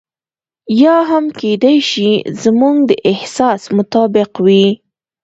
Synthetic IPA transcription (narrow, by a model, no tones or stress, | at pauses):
jɑɦamked̪ajʃizmuŋɡd̪əʔɪhsɑsmʊt̪ɑbɪqwi